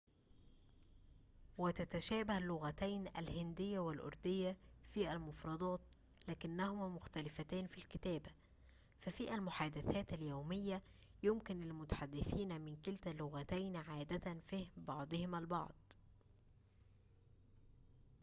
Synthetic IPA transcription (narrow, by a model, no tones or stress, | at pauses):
wɪt̪æt̪æʃæːbahlːʊɣæt̪ajnʔæ̰lhɪnd̪ɪjːawɪlʔʊ̰ɾˤd̪ɪjːafiːʔælmʊfɾˤɑd̪ˤɑːt̪ | læːkɪnːæhʊmmʊxt̪ælɪfæt̪æːnfilkɪt̪æːbæ | fæfiːʔælmʊħaːd̪ɪθæːt̪æljawmɪjːæ | jʊmkɪnɪlmʊt̪ḁħad̪ːɪθiːnmɪnkɪlt̪ælːʊɣæt̪æjnʕaːd̪æt̪ænfihbɑʕd̪ˤɨhɪmalbɑ̰ʕd̪̥̚ˤ